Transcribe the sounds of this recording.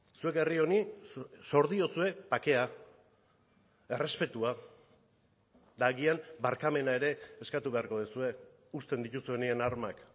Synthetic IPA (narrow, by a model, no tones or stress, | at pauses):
sue̞kerio̞niso̞ɾðio̞sue̞pake̞a | e̞re̞spe̞t̪ua | d̪aɣiambaɾkame̞nae̞ɾe̞ːskat̪uβe̞aɾko̞ð̞esue̞ | ust̪e̞nd̪it̪usue̞nie̞naɾmak